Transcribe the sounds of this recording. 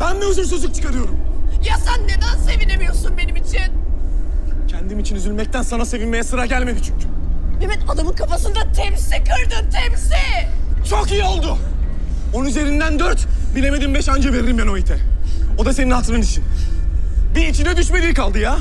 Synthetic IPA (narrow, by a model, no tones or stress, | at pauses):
b̥ænbiyzyɾs̬yzˠuk̚t͡ʃʰɯ̥kaɾɯjo̞ɾumjasænːed̪ænse̞vinemijo̞sunbe̞nimit͡ʃʰin | cʰænd̪imit͡ʃʰinyzylʲmɛc̚t̪ʰænsanase̞vinme̞jɛsɯɾaɟælʲme̞d̪it͡ʃʰyɲcʰy̥emɛt̪ad̪amɯnkʰafasɯnd̪at̪ʰɛmsikʰɯɾd̪ɯnt̪ʰɛmsit͡ʃʰo̞kijio̞lˠd̪ʊ | onunyze̞ɾind̪ænd̪øɾt̪bilʲe̞me̞d̪imbɛʃand͡ʒave̞ɾiɾimbano̞it̪ʰɛo̞d̪aseninhat̪ʰɯɾɯnit͡ʃʰin | biːt͡ʃʰind̪ɛd̪yʃme̞d̪iːikalˠd̪ɯja